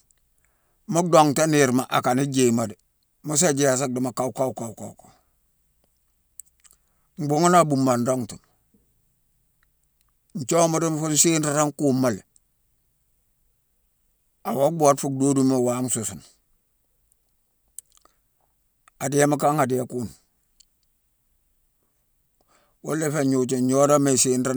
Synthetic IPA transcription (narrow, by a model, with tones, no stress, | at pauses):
mu˦do˨ŋta˦ni˨ɾma˨ʔa˨ka˨ni˦d͡ʒe˨ma˨di˨ | mu˦s̬a˦d͡ʒe˦a˨s̬a˦k̚di˨ma˨ka˦u˦ka˦ka˨u˨ka˨u˦ka˨ | ŋ͡m̩˨bu˦ŋa˦na˦˨bu˨mba˨ndo˦ŋtu˨n | n̩˨t͡ʃo˦ma˦ɾi˦m˦fu˦n˦seː˦nta˨˦ɾa˦ŋkuː˦mːa˦li˨ | a˨wa˦bu˦a˨˦tfu˦k̚do˦du˦me˦˨wa˦msu˨su˨n | a˨di˨˦e˦ma˦ka˦ŋa˨di˨je˨kuː˦n | wo˦lːe˦fe˦ɲu˨t͡ʃe˨o˦ɾa˦me˨siː˦nɾa˦